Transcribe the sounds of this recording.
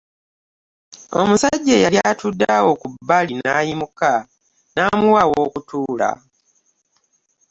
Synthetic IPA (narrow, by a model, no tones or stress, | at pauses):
o̞̰musaɟːejaljaːtudːawo̞kubːalinaːjimuka | naːmuwawo̞kutuːla̰